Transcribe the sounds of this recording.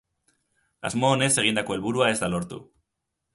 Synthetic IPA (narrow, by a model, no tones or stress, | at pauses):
a̰zmoːne̞se̞ɣ̞ind̪ako̞e̞lβuɾuae̞zd̪alo̞ɾt̪ṵ